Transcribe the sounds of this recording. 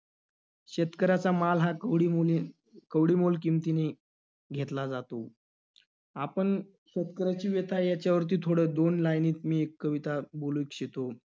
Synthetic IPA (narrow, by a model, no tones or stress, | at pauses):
ɕet̪kəɾat͡samalɦaɽi | kəʋɽiːmolkimt̪ine | ɡʱet̪lad͡zat̪o | apəɳ | ɕet̪kəɾat͡ɕiːʋet̪ʰajat͡ɕjaʋəɾt̪iːt̪ʰoɽəd̪onlajniːt̪miːekːəʋit̪aboluikɕet̪o